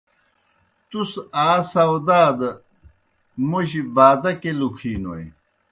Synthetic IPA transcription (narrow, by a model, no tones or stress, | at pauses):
t̪usaːsɐwd̪aːd̪ɐ | muɕibaːd̪ɐkelukʰiːno̰j